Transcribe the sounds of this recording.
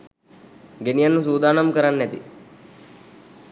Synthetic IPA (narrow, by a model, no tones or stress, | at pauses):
ɡenijanːusuːd̪aːnamkəɾanːɛt̪ḭ